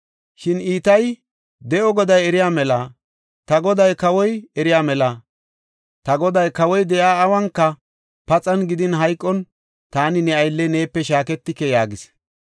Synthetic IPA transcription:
ʃɪniːt̪ɐj | d̪ɛʔɔɡɔd̪ɐjɛɾɪjaːmɛlɐ | t̪ɐɡɔd̪ɐjkɐwɔjɛɾɪjaːmɛlɐ | t̪ɐɡɔd̪ɐjkɐwɔjd̪ɛjaːwɐŋkːɐ | pɐt͡sʼɐnɡɪd̪ɪnɦɐjkʼːɔn | t̪aːnɪnɛɐjlːɛne̞ːpːɛʃaːkɛt̪ːɪkːɛjaːɡɪs

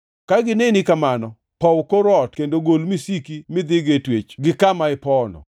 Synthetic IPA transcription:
kaɡɪnenikamanɔ | pɔwkoɾɔtkendoɡolmisikimɪd̪ɪɡetwet͡ʃɡɪkamaɪpɔnɔ̰

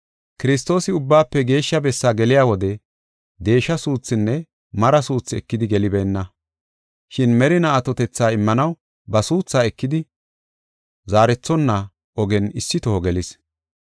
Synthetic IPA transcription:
kɪɾɪst̪o̞ːsɪʊbːaːpːɛɡe̞ːʃːɐbɛsːaːɡɛlɪjaːwɔd̪ɛ | d̪e̞ːʃːɐsuːt͡sːɪnːɛ | mɐɾɐsuːt͡sːɪɛkːɪd̪ɪɡɛlɪbɛːnːɐ | ʃɪnmɛɾɪnɐːt̪ɔt̪ɛt͡sːaːɪmːɐnɐw | bɐsuːt͡sːaːɛkːɪd̪ɪ | zaːɾɛt͡sːɔnːɐ | ɔɡɛnɪsːɪt̪ɔhɔɡɛlɪs

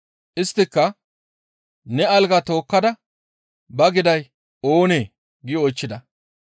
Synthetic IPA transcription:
ʔɪst̪ːɪkːɐ | nɛɐlɡɐt̪o̞ːkːɐd̪ɐ | bɐɡɪd̪ɐj | oːneː | ɡɪɔjt͡ʃːɪd̪ɐ

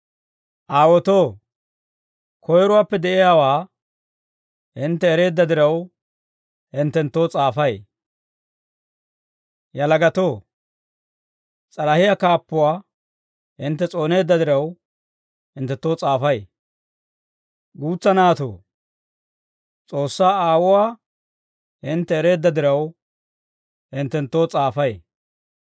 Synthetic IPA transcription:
ʔaːwɔt̪oː | kʰɔjɾʊwaːpːɛd̪ɛʔɪjaːwaː | hɪnt̪ːɛːɾe̞ːd̪ːɐd̪ɪɾɐw | hɪnt̪ːɛnt̪ːo̞ːt͡sʼaːfɐj | jɐlɐɡɐt̪oː | t͡sʼɐɾɐhɪjakaːpːʊwaː | hɪnt̪ːɛt͡sʼo̞ːne̞ːd̪ːɐd̪ɪɾɐw | hɪnt̪ːɛt̪ːo̞ːt͡sʼaːfɐje | ɡuːt͡sːɐnaːt̪o̰ː | t͡sʼo̞ːsːaːaːwʊwaː | hɪnt̪ːɛːɾe̞ːd̪ːɐd̪ɪɾɐw | hɪnt̪ːɛnt̪ːo̞ːt͡sʼaːfɐje

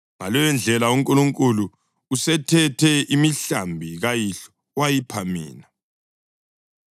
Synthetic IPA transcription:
ŋa̰lɔjɛnd͡ɮʱɛlauŋkʼuluŋkʼulu | usɛtʰɛtʰɛʔimiɬambʱiɣajiɬɔ̥ | wajipʰamḭːna

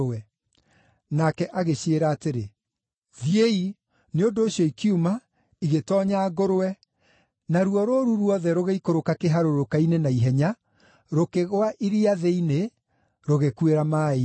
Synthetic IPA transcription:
ɛ | nakɛʔaɣeɕeɾaːteɾe | ðijei | neondoːɕjɔikiuma | iɣetɔːɲaɡoɾoɛ | naɾuɔɾoɾuɾwɔðɛɾoɣeikoɾokakeɦaɾoɾokainenaiɦɛɲa | ɾokeɣowaʔiɾiaðeine | ɾoɣekweɾamae

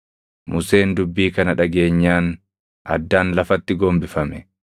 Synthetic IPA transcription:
mʊse̞ːnd̪ʊbːiːkɐnɐᶑɐɡe̞ːɲːaːn | ʔɐ̰d̪ːaːnlɐfɐt̪ːɪɡoːmbɪfɐmɛ

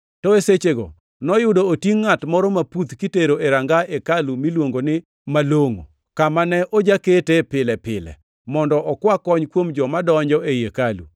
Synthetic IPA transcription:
tɔeset͡ʃeɡɔ̰ | nɔjʊdoːtiŋːatmɔɾɔmaput̪kiteɾoʔeɾaŋɡaekalumilwoŋɡonɪ | maloŋo̰ | kamanɛʔod͡ʒaketepɪlɛpɪ̰lɛ̰ | mɔndɔʔɔkwakɔɲkwomd͡ʒɔmadɔɲd͡ʒɔʔejekalṵ

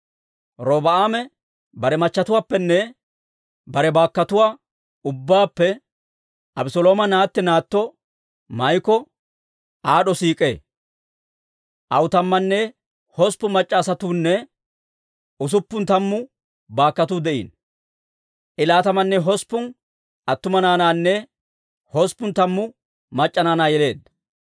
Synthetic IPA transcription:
ɾoːbɐaːmɛ | bɐɾɛmɐt͡ʃːɐt̪ʊwaːpːɛnːɛ | bɐɾɛbaːkːɐt̪ʊwaː | ʊbːaːpːɛ | ʔɐbsɔloːmɐnaːt̪ːɛnaːt̪ːɔ | mɐjkɔ | ʔaːɗɔsiːkʼe̞ː | ʔɐwʊt̪ɐmːɐnːɛ | hɔspːʊmɐt͡ʃʼːaːsɐt̪uːnːɛ | ʊs̬ʊpːʊnt̪ɐmːʊ | baːkːɐt̪ud̪ɛʔḭːn | ʔɪlaːt̪ɐmɐnːɛɦɔspːʊn | ʔɐt̪ːʊmɐnaːnaːnːɛ | hɔspːʊnt̪ɐmːʊ | mɐt͡ʃʼːɐnaːnaːjɛle̞ːd̪ɐ

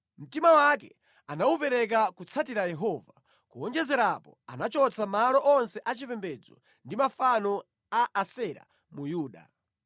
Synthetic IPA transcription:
m̩timawakɛ̰ | anawupɛɾɛk̬akut͡sʰatiɾajɛɦɔːva | kuɔnd͡ʒɛzɛɾapɔanat͡ʃɔt͡sʰamalɔʔɔnsɛʔat͡ʃipɛmbɛd͡zɔ̰ | ndimafanɔ | aʔasɛɾa̰ | mujuːɗa̰

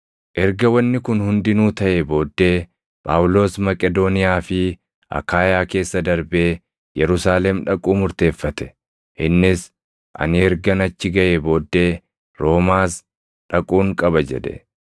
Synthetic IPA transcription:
ʔɛɾɡɐwɐnːɪkʊnhʊnd̪ɪnuːt̪ɐʔebo̞ːd̪ːe̞ː | pʼa̰ːwʊlo̞ːsmɐkʼɛd̪o̞ːnɪjaːfɪ | ʔɐ̰kaːjaːke̞ːsːɐd̪ɐɾbe̞ː | jɛɾʊsaːlɛmᶑɐkʼuːmʊɾt̪e̞ːfːɐt̪ɛ̥ | ʔɪnːɪs | ʔɐ̰nɪɛɾɡɐnɐt͡ʃːɪɡɐʔebo̞ːd̪ːe̞ː | ɾo̞ːmaːs | ᶑɐkʼuːŋkʼɐbɐd͡ʒɛ̰ᶑɛ̰

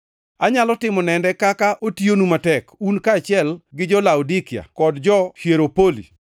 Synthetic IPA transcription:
aɲalɔtɪmɔnɛndɛkakaʔotionumatɛkunkaːt͡ʃɪɛlɡɪd͡ʒɔlaudikɪa̰kɔdd͡ʒɔhjeɾopolḭ

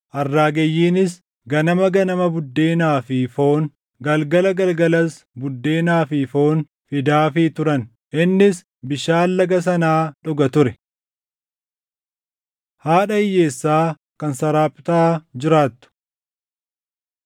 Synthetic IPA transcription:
ʔɐrːaːɡɛjːiːnɪs | ɡɐnɐmɐɡɐnɐmɐbʊd̪ːe̞ːnaːfɪfo̞ːn | ɡɐlɡɐlɐɡɐlɡɐlɐs | bʊd̪ːe̞ːnaːfɪfo̞ːn | fɪd̪aːfɪt̪ʊɾɐn | ʔɪnːɪs | bɪʃaːlːɐɡɐs̬ɐnaːᶑɔɡɐt̪ʊɾɛ | haːᶑɐɪjːe̞ːsːaː | kɐnsɐɾaːpʼɪt̪aːd͡ʒɪɾaːt̪ːʊ̥

